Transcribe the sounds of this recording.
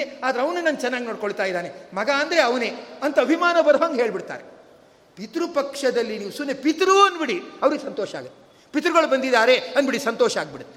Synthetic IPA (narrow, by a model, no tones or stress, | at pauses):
eaːd̪ɐɾeɐʋɐnenaːnt͡ʃɛnːaːɡinoːɽ̚koɭt̪aːjd̪aːnemɐɡaːnd̪ɐɾeɐʋɐneːɐnt̪ɐɐbʱimaːnɐbɐɾɐʋaŋɡɦeːɭbiɽt̪a̰ːɾe | pit̪ɾupɐkʂɐd̪ɐlːiniːʋusunːepit̪ɾuɐnːbiɽiɐʋɐɾiɡesɐnt̪ɔːʃɐa̰ːɡɐt̪ːe̥ | pit̪ɾuɡɐɭubɐnd̪id̪aːɾeɐnbiɽisɐnt̪ɔːʃɐaːɡ̚biɽut̪ː